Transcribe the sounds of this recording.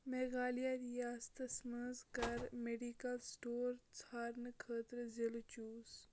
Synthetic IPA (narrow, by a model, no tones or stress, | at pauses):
meːɡaːlijaɾjaːst̪ɐsməzkɐɾmeɖikɐlsʈoːɾt͡sʰaːɾnɨkʰəːt̪ɾzilt͡ʃuːs